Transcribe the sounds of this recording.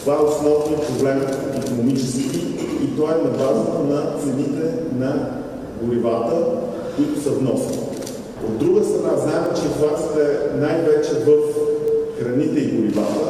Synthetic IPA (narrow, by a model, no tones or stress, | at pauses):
t̪ovaɛosnɔvnoot̪pɾoblɛmət̪ikonomit͡ʃɛskkiit̪ovaɛnɐbaʒot̪onɐt̪sɛnit̪ɛnɐ | ɡoɾivat̪ə | kʊit̪ʊsɐvnɔsni | o̰d̪ːɾuɡəst̪ɾɐnaznaɛmt͡ʃɛit̪vat̪st̪ɛnajvɛt͡ʃɛvəfxɾɐnit̪ɛiɡoɾiva̰t̪ə